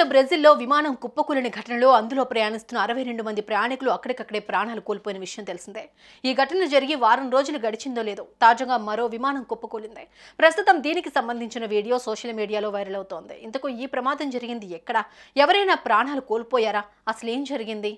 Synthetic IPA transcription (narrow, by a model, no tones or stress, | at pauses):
ɐbɾɐzilːo̞ːʋimaːnɐmkupːɐkuːlɐnɐɡʱɐʈɐnɐloːɐnd̪ulo̞ːpɾɐjaːɳist̪unːɐːɾɐʋɐjɾe̞ɳɖumɐnd̪ipɾɐjaːɳikuluɐkːɐɽɐkɐkːɐɽe̞ːpɾaːɳaːlukoːlpoːjinɐʋiʂɐjɐmt̪elisind̪e | iːɡʱɐʈɐnɐlud͡ʒɐɾiɡiʋaːɾɐnɾo̞ːd͡ʒuluɡɐɽit͡ʃind̪o̞ːleːd̪ut̪aːd͡ʒɐɡaːmɐɾo̞ːʋimaːnɐmkupːɐkuːlind̪ipɾɐst̪ut̪ɐmd̪iːnikisɐmbɐnd̪ʱiɲt͡ʃinɐʋiːɽijo̞ːsɔːʂɐlmiːɽijaːlo̞ːʋɐjɾɐlɐwut̪o̞ːnd̪ḭint̪ɐkuiːpɾɐmaːd̪ɐmd͡ʒɐɾiɡind̪iɛkːɐɽɐɛʋɐɾɐjnaːpɾaːɳaːlukoːlpoːjaːɾaː | ɐsɐle̞ːmd͡ʒɐɾiɡind̪i